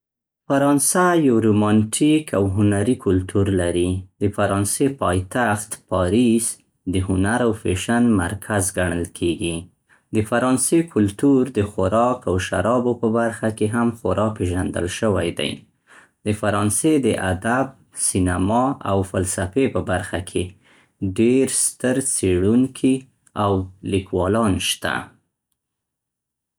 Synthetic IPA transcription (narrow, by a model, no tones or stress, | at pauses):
faɾɑnsajawɾomɑnʈʰikʰawɦʊnaɾikʰʊlt̪ʰuɾlaɾid̪əfaɾɑnsepɑjt̪axt̪pɑɾis | d̪əɦʊnaɾawfeʃanma̰ɾkʰazɡaɳ̃əlkʰeɡi | d̪əfaɾɑnsekʰʊlt̪uɾd̪əxʊɾɑkawʃa̰ɾɑbopəbaɾxakeɦamxʊɾɑpeʒand̪ə̰lʃəwajd̪a̰j | d̪əfaɾɑnsed̪əʔad̪ab̚ | sinamɑawfalsafepəbaɾxakʰe | ɖeɾst̪əɾt͡seɽuŋkʰi | awlikwɑlɑnʃt̪a̰